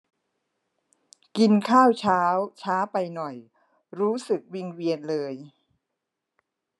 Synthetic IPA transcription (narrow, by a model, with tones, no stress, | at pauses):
ki˧nkʰaː˥˩wt͡ɕʰaː˦˥wt͡ɕʰaː˦˥wpa˧jnɔ˨˩j | ɾuː˦˥sɯ˨˩k̚wi˧ŋwi˧ənlɤː˧j